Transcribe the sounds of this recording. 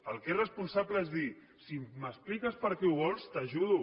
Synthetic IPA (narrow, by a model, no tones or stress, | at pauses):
əlˠkerəspunsabləezði | simməsplikəspəɾkɛuβɔlˠst̪əʒuðu